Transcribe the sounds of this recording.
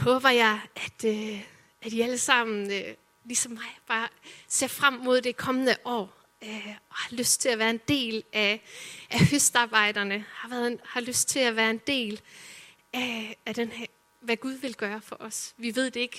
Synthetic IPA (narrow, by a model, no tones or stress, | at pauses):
hɔ̽ːb̥ɐjɑ̈ɪʔæd̥ | æd̥iæləsɑ̈m̰n̩ø | lisɒ̽mːɑ̈ɪb̥ɑ̈ːse̝ɐfʁam̰mo̝ð̞̰ˠd̥ekʰɒ̽mənəʔɒ̰ː | øɒ̽hɑ̈løsd̥t͡sʰe̝læʋæːɐe̝nd̥e̝̰ːlʔæʔæhøsd̥ɑ̈ːb̥ɑ̈ɪ̰d̥ɐnəhɑ̈ʋæɐðˠhɑ̈løsd̥̚t͡sʰe̝læʋæːɐe̝nd̥e̝̰ːl | æd̥enhæ | ʋæɡ̥uð̞ˠʋe̝lɡ̥ɶːɐfɒ̽ʔɒ̽sʋiʋe̝ð̰ˠd̥e̝e̝ɡ̥